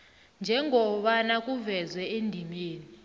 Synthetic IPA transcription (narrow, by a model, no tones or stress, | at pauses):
nd͡ʒʱɛŋʱɔɓanakʼuvɛzwɛendʱimeːni